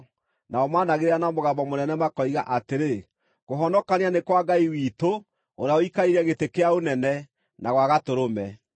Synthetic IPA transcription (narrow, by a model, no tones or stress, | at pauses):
naɔmaːnaɣeɾeanamoɣabɔmonɛnɛmakɔiɣaʔateɾe | ɣoɦɔnɔkaneanekwaɡaiwiːto | oɾeaoikaiɾɛɣetekeaonɛnɛ | naɣwaɣatoɾomɛ